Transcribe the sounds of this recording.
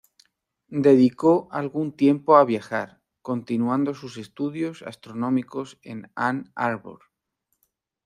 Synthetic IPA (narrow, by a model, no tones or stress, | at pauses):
d̪e̞ðiko̞alɣunt̪je̞mpo̞aβ̞jaxaɾ | ko̞nt̪inuãnd̪o̞suse̞st̪uðjo̞sa̰st̪ɾo̞nõ̞miko̞se̞̰nanaɾβo̰ɾ